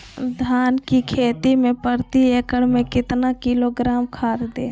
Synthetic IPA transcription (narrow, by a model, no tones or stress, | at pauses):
d̪ʱaːnkikʰeːt̪imẽpəɾt̪iekəɽmẽkɪt̪nakiloɡɾaːmkʰaːɾd̪eː